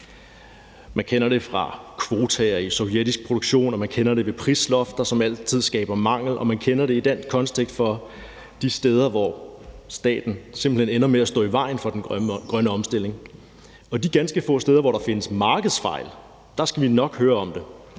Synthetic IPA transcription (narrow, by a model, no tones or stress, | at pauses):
mænkʰenɐɾ̥e̝fʁɑ̈kʰʋo̝ːt͡sʰɛɐisɒʊjed̥isɡ̥̚pʰʁo̝d̥oɡ̥ɕo̝̰ːnɒ̽mænkʰenɐde̝ʋe̝pʰʁislɒ̽fd̥ɐsɒ̽mæl̰t͡sʰið̞̰ˠsɡ̥ɛ̰ːb̥ɐmɑ̈ŋ̰l̩ʔɒ̽mænkʰenɐɾe̝id̥enkʰɒ̽nst͡sʰeɡ̥sd̥fɒ̽ | d̥isd̥eːð̞ˠɐʋɒsd̥ɛ̰ːd̥n̩semb̥l̩henenɐmeæsd̥ɔ̰ːiʋɑ̈ɪ̰n̩fɒ̽d̥enɡ̥ʁɶnəɒ̽msd̥e̝l̰e̝ŋ | ɒ̽d̥iɡ̥ænsɡ̥əfɔ̰̽ːsd̥eːð̞ˠɐʋɒɾ̥ɑ̈fe̝nəsmɑ̈ːɡ̥əð̞̩ˠsfɑ̈ɪl | d̥ɑ̈sɡ̥æʋinɒ̽ɡ̥høːɐɒ̽md̥e̝